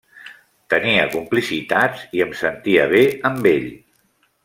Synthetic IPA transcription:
t̪əniəkumplisit̪at͡siəmsənt̪iəβ̞eəmbeʎ

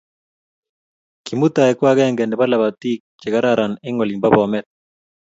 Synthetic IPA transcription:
kimut̪aekwaɡeŋɡeneβalaβat̪ik̚d͡ʒeɡaɾaɾaneŋɔlimbaβɔamet̪̚

